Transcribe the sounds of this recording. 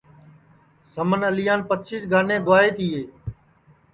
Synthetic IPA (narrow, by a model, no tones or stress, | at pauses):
səmənəlɪjaːnpətt͡ʃiːsɡʱaːnẽːɡ̪ʊaːeːt̪ʰiːɦeː